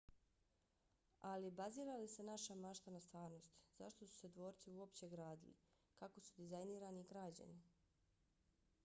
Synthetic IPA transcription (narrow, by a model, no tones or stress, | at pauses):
alibaziːɾalisenaʃamaʃt̪anast̪ʋaːɾno̞st̪z̥aʃt̪o̞su̥se̞d̪ʋo̞ːɾt̪siuo̞pt͡ɕe̞ɡɾaːd̪ilḭ | kako̞sud̪izajniːɾaniɡɾad͡ʑa̰ni